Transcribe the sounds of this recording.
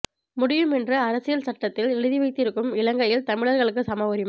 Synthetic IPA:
mʊɽɪjɯmɛndrɐɐɾɐsɪjɐlsɐʈːɐt̪ːɪlɛɻɯðiʋɐɪt̪ːɪɾɯkːɯmɪlɐŋɡɐjɪlt̪ɐmɪɭɐɾɣɐɭɯk̬ːɯsɐmɐʋɐɾɪm

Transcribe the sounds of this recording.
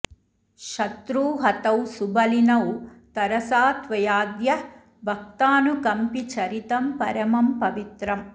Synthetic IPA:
ʃɐt̪ɾuːɦɐt̪ɐwsubɐlinɐwt̪ɐɾɐsaːt̪ʋɐjaːd̪jɐ | bʱɐk̚t̪aːnukɐmpit͡ʃɐɾit̪ɐmpɐɾɐmɐmpɐʋit̪ɾɐm

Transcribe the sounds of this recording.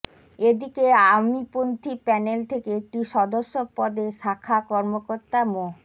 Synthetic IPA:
ed̪ikeamipont̪ʰipɛnelt̪ʰekeek̚ʈiʃɔd̪oʃːopɔd̪eʃakʰakɔɾmokoɾt̪amo

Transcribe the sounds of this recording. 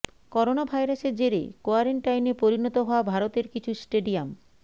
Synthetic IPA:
kɔɾonabʱajɾaseɾd͡ʑeɾḛkoaɾeɳʈajnepoɾinɔt̪oɦɔoabʱaɾot̪eɾkit͡ɕʰusʈeɖiam

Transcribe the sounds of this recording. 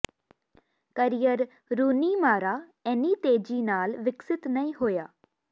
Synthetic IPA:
kəɾijəɾ | ɾuːniːmaːɾaːɛːniːt̪eːd͡ʒiːnaːlʋɪksɪt̪nəĩːɦoːja̰ː

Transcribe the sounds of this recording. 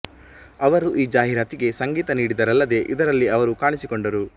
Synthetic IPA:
ɐʋɐɾuʔiːd͡ʒaːɦiɾaːt̪iɡe̞sɐŋɡiːt̪ɐniːɽid̪ɐɾɐlːɐd̪e̞ʔid̪ɐɾɐlːiɐʋɐɾukaːɳisikoɳɖɐɾu

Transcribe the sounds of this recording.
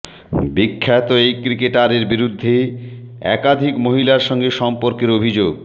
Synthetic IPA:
bikʰːat̪oejkɾikeʈaɾeɾbiɾud̪ʱːe | ɛ̰kad̪ʱikmoɦilaɾʃɔŋɡeʃɔmpoɾkeɾobʱid͡ʑoɡ

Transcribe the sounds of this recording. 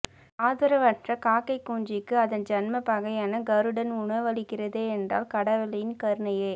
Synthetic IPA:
aːðɐɾɐʋɐʈrɐkaːkːɐɪkːuːɲd͡ʒɪkːɯɐðɐnd͡ʒɐnmɐpɐɣɐjaːnɐɡɐɾɯɽɐnʊɳɐʋɐɭɪkːɪrɐðeːɛndra̰ːlkɐɽɐʋɪlɐjɪnkɐɾɯɳɐjeː

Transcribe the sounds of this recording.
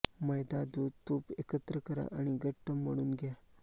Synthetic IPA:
məjd̪ad̪ud̪t̪uːpekət̪ɾəkəɾa̰ʔaɽ̃iɡʱəʈːəmːəɽuːnɡja

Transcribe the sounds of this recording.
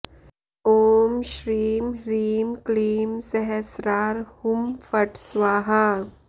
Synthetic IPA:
oːmʃɾiːmɾiːmkliːmsɛɦɛsɾaːɾhʊmfɐʈsʋaːɦa

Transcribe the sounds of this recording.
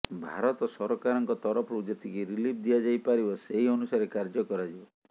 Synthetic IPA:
bʱaɾɔt̪ɔsɔɾɔkaɾɔŋkɔt̪ɔɾɔpʰɔud͡ʒɔt̪ʰikiɾilip̚ʰd̪iad͡ʒajpaɾibɔseɦiɔnusaɾekaɾd͡ʒɔkɔɾad͡ʒibɔ

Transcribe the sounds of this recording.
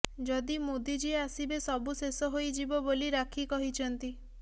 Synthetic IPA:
d͡ʒɔd̪imod̪id͡ʒieasibesɔbusesɔɦojd͡ʒibɔboliɾakʰikɔɦit͡ʃʰɔnt̪i

